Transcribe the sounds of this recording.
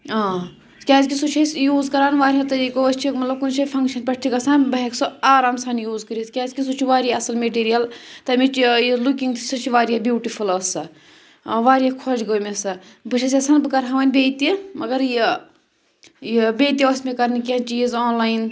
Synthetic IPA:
aː | kʲaːzkʲisut͡ʃʰɐsjuːzkɐɾaːnʋaːɾʲiɦɐ̃t̪ɐɾiːkoɐst͡ʃʰimɐt̪lɐb̚kunt͡ʃʰɐpʰɐŋkʃɐnpʲɐʈt̪ʰikɐsaːnbɐɦeksoaːɾaːmsaːnjuːzkɐɾiskʲaːzkʲis̬ut͡ʃʰiʋaːɾijaɐsɐlmeʈiːɾijɐlt̪ɐmit͡ʃijilukiŋɡt̪ʰisɐt͡ʃʰiʋaːɾijabjuːʈifʰulɐsɐ | ʋaːɾijakʰod͡ʒɡoːmʲesɐbɨʃʰɐsʲɐsaːnbɨkɐɾɦɐʋaːnʲbeːt̪imɐɡɐɾji | jibeːt̪iʋosʲmekɐɾnikʲiɐnt͡ʃijːzoːnlaːjin

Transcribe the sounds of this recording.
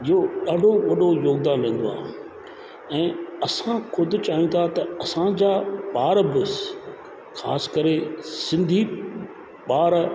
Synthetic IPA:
ɪɦoɗɐɖoʋɐɗojoːɡ̚d̪aːnlẽːn̆d̪oa̰ːɦ | ɛ̃ːɐsãxʊd̪ʱʊ̆t͡ɕaːɦij̃t̪ʰat̪ɐɐsãd͡ʑaːɓaːɾbɪs | xa̰ːskɐɾesɪ̃nd̪ʱi | ɓaːɾ

